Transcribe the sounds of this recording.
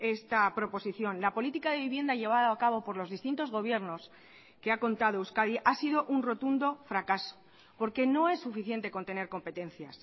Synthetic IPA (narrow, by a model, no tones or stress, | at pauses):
e̞st̪apɾo̞po̞siθjo̞nlapo̞lit̪ikaðe̞β̞iβje̞nd̪aʝe̞β̞aðaakaβo̞po̞ɾlo̞zðist̪int̪o̞zɣo̞β̞je̞ɾno̞s | ke̞ako̞nt̪að̞oewskaðiʔasiðo̞ʔunro̞t̪und̪o̞fɾakaso̥ | po̞ɾke̞no̞e̞sːufiθje̞nt̪e̞ko̞nt̪e̞ne̞ɾko̞mpe̞t̪ẽ̞n̟θjas